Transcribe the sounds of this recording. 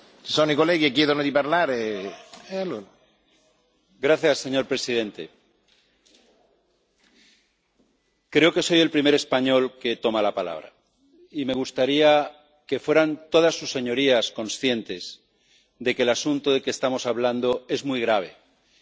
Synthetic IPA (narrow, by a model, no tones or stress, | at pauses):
t͡ʃisonoikoleɣiek̬jeðonod̪ipaɾlaɾe | elo | ɡɾaθjasːe̞ɲo̞ɾpɾe̞siðẽ̞nt̪e̞̰ | kɾe̞o̞ke̞so̞je̞lpɾime̞ɾe̞spaɲo̞lke̞t̪o̞malapala̰β̞ɾa̰ | ime̞ɣ̞ust̪aɾia | ke̞fwe̞ɾant̪o̞ð̞asːusːe̞ɲo̞ɾiasko̞nsθje̞nt̪e̞z̥ | ðe̞keːlasunt̪oðe̞kest̪amo̞saβland̪o̞e̞zmujɣɾaβ̞e̞̰